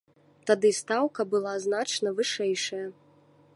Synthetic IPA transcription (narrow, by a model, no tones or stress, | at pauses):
t̪ad̪ɨst̪awkɐbɨlˠaznat͡ʂnɐvɨʂɛjʂɐjɐ